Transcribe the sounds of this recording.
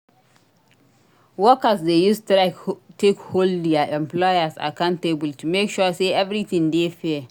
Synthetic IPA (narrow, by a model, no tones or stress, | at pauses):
wɔkasdejustɾaktekholdiaʔɛ̃mplɔjasa̰kãʊ̃ntebəltumekʃɔseʔɛvɾiθɪ̃ŋdefɛ